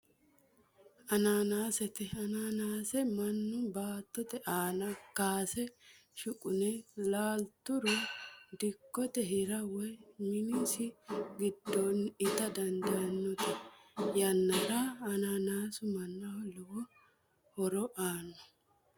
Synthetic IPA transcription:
ɐnaːnaːsɛt̪ɛɐnaːnaːsɛmɐnːʊbaːt̪ːɔt̪ɛʔaːnɐkːaːsɛʃʊkʼʊnɛlaːlt̪ʊɾʊd̪ɪkːɔt̪ɛɦɪɾɐwɛmɪnisɪɡɪd̪ːɔnɪt̪ɐd̪ɐnd̪ɐjɐnːɔt̪ɛjɐnːɐɾaɐnaːnaːsʊmɐnːɐhɔlɔwɔ | hɔɾɔʔaːnːɔ

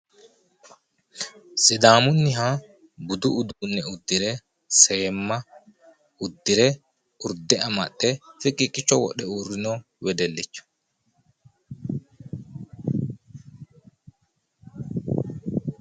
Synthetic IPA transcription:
sɪd̪aːmʊnːɪɦa | bʊd̪ʊʊd̪uːnːɛʊd̪ːɪɾɛ | seːmːɐ | ʊd̪ːɪɾɛ | ʊɾd̪ɛɐmɐ̰ɗːɛfɪkʼːɪkʼːɪt͡ʃːɔwɔ̰ɗɛuːrːɪnɔ | wɛd̪ɛlːɪt͡ʃːɐ̥

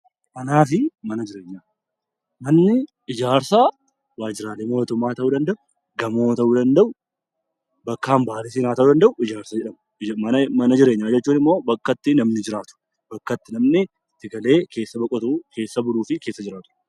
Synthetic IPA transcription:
kɐnaːfɪmɐnɐd͡ʒɪɾe̞ːɲːaː | mɐnːɪ | ɪd͡ʒaːɾsa | waːd͡ʒɪɾaːleːmo̞ːt̪ʊmːaːt̪ɐʔuːd̪ɐnd̪ɐʔʊ | ɡɐmo̞ːt̪ɐʔuːd̪ɐnd̪ɐʔʊ | bɐkːaːmbaːlɪs̬iːnaːt̪ɐʔuːd̪ɐnd̪ɐʔʊɪd͡ʒaːɾsɐd͡ʒɛᶑɐm | ɐmɐnɐd͡ʒɪɾe̞ːɲːaːd͡ʒɛt͡ʃːuːnɪmːo̞ːbɐkːɐt̪ːɪnɐmnɪd͡ʒɪɾaːt̪ʊ̥ | b̥ɐkːɐt̪ːɪnɐmnɪ | t̪ːɪɡɐle̞ːke̞ːsːɐbɐkʼɔt̪uke̞ːsːɐbʊluːfɪke̞ːsːɐd͡ʒɪɾaːt̪ʊ̥

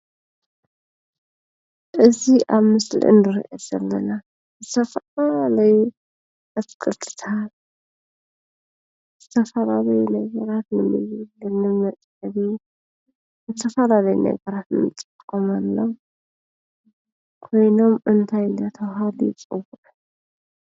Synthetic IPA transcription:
ʔɨziʔaβmɨslḭʔɨ̰nɨɾiʔɐz̥ɐlːɐna | zɨt̪ʰɐfɐalalɐju | ɐt̪ɨkʼɨt̪ʰɨ̥t̪ʰal | z̥ɨt̪ʰɐfɐlalɐjunɐɡɐɾat̪nɨmɨβlɨnɨmɐt͡sʼɐβi | zɨt̪ʰɐfɐlalɐjṵnɐ̰ɡɐɾat̪nɨmɨt͡sʼːɨkkʼomalːo | kʰo̞jno̞mʔɨnt̪ʰajnd̪at̪ʰɐwɦad̪it͡sʼɨwuʔ

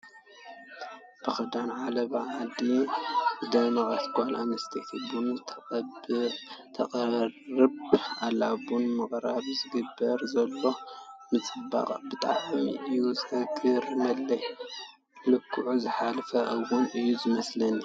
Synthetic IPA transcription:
b̥ɨxɐd̪anʕalɐβaʕad̪i | ɨd̪ɐnɐχʼasɡʷʼalʔa̰mɐst̪ʰet̪ʰibunʰ | t̪ʰɐrɨbʔalabunmɨχʼɾaβzɨɡɨbːɐɾzɐlːo̞mɨt͡sʼɨba̰qʼbɨt̪ʼa̰ʕmiɨjuzɨʔɐɡʰɨɾmɐlːɐj | lɨkʰːuʕuzɨħalfɐʔɐwʊnɨjːuzɨmɐslɐni

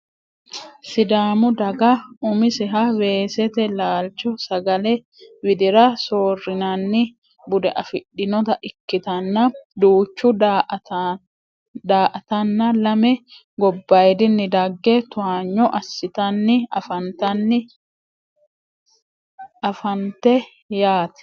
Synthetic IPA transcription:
sɪd̪aːmʊd̪ɐɡɐʊmɪsɛɦɐwe̞ːsɛt̪ɛlaːlt͡ʃɔsɐɡɐlɛ | wɪd̪ɪɾɐsoːrːɪnɐnːɪ | bʊd̪ɛʔɐfɪɗːɪnɔt̪ɐʔɪkːɪt̪ɐnːɐd̪uːt͡ʃːʊd̪ | d̪aːʔt̪ɐnːɐlɐmɛ | ɡɔbːɐjd̪ɪnːɪd̪ɐɡːɛt̪ʊaːɲːɔʔɐsːɪt̪ɐnːɪɐfɐnt̪ɐnːɪ | ɐfɐnt̪ɛ | jaːt̪ɛ̥

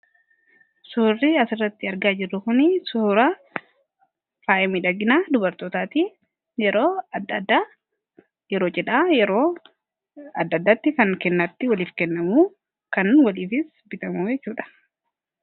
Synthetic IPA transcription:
sʊrːɪɐsɪrːɐt̪ːɪɐɾɡaːd͡ʒɪrːʊkʊnisʊɾa | faːʔɛmiːᶑɐɡɪnaːd̪ʊbɐɾt̪oːt̪aːt̪i | jɛɾoːd̪d̪a | jɛɾoːt͡ʃɛᶑaːɛɾoː | ɐd̪ːɐd̪ːat̪ːɪkɐŋkɛnːɐt̪ːɪwɐliːfkɛnːɐmuː | kɐnwɐliːfɪs | bɪt̪ɐmuːd͡ʒɛt͡ʃːuːᶑɐ̥

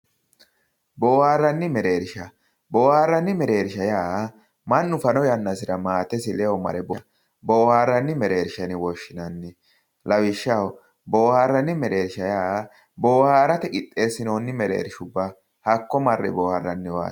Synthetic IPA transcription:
boːhaːrːɐnːɪmɛɾeːɾɪʃɐ | bo̞ːhaːrːɐnːɪmɛɾeːɾʃɐjaː | mɐnːʊfɐnɔjɐnːɐsɪɾɐmaːt̪ɛsɪlɛɔmɐ̰ɾɛbɔɐ | bo̞ːhaːrːɐnːɪmɛɾe̞ːɾʃɐnɪwɔʃːɪnɐnːɪ | lɐwɪʃːɐw | bo̞ːhaːrːɐnːɪmɛɾe̞ːɾʃɐjaː | boːhaːɾɐt̪ɛkʼɪt̪ʼːe̞ːsɪnoːnːɪmɛɾḛːɾɪʃʊbːɐ | hɐkːɔmɐrːɛ̰boːharːɐnːɪwa̰ː

